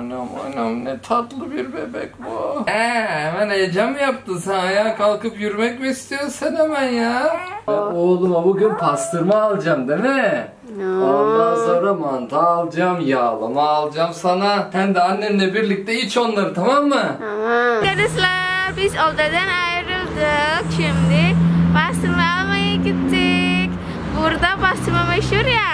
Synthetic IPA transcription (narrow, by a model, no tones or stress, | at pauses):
nama̰jnamnɛt̪ʰat̪lˠɯbiɾbɛbɛ̰kʲbuhɛhɛmæned͡ʒamjap̚t̪ʰɯsanajaːkʰalˠkɯpjyɾmɛcmiːst̪ʰijoɾsænhemænjaaolˠɯmabuɡynpʰast̪ʰɯɾmaːlˠd͡ʒamd̪emɛ | and̪asaɾamand̪aːlˠd͡ʒamjalˠɯ̰maːlˠd͡ʒamsanasænd̪ɛanːennlʲɛbiɾlʲic̚t̪ʰɛit͡ʃo̞nlˠaɾɯt̪ʰamamːɯ | kad̪ɯslˠabizolˠd̪ad̪ɛnajɯɾɯlˠd̪ɯkʃimd̪ɪpʰast̪ʰɯɾmaalˠmajɯɡʲit̪ʰːik | buɾd̪apast̪ɯɾmameʃhuɾja